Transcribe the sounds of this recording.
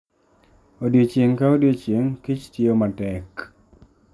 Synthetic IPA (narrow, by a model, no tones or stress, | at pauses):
odjot͡ʃeŋkaodjot͡ʃjeŋkit͡ʃtiomatɛk